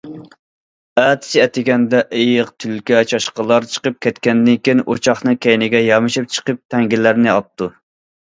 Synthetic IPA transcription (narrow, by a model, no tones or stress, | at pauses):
æt̪ʰɪ̥sɪɛt̪ɪɡʲɛnd̪ɛʔejɪqt̪ʰylkʲɛt͡ʃʰɑʃqəlˠɑɾt͡ʃʰə̥qəp̚kʲʰɛt̪kʲɛnd̪ɪŋkʲinʔo̰t͡ʃʰɑχnɨŋkʲɛjnɪɡʲɛjɑmɨʃip̚t͡ʃʰə̥qəp̚t̪ʰɛŋɡʲɪlːæɾnɪɑp̚t̪ʰu